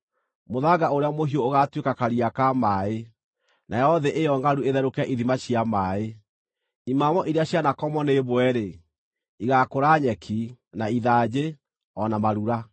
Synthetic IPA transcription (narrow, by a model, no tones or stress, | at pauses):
moðaɡaoɾeamoɦioːɣatwekakaɾiakamae | nʔajɔðɛʔejɔŋɡaɾueðɛɾokaʔiðimaɕiamae | imamɔʔiɾeaɕjanakɔmɔneβwɛɾe | iɣakoɾaɲɛkʰi | naiðaːd͡ʑe | ɔnamaɾuɾa